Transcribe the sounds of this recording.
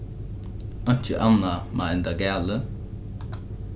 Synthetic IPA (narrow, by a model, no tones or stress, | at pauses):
ɔn̥t͡ʃəʔanamaɪnd̪aɡɛːlə